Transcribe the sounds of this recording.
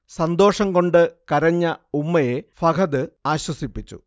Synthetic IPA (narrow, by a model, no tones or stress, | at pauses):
sɐnd̪o̞ːʂɐŋko̞ɳɖɨkɐɾɐɲːɐumːɐje̞fɐkʰɐðɨaːɕwɐsipːit͡ɕːṵ